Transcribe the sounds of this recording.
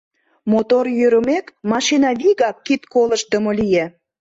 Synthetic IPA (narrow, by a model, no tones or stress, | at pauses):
mot̪orjøɾəmekmɑʃinɑβiɣɑkːit̪koləʃd̪əmolije